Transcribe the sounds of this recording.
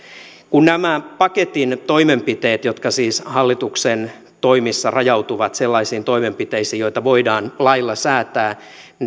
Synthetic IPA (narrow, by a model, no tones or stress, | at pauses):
kunnæmæpɑket̪int̪o̞imempit̪eːt̪jot̪kɑsiːshɑlːit̪uksen | t̪oimisːɑrɑjɑut̪uʋɑt̪selːɑisiːnt̪oimempit̪eisiːjoit̪ɑʋoidɑːnlɑilːɑsæːt̪æː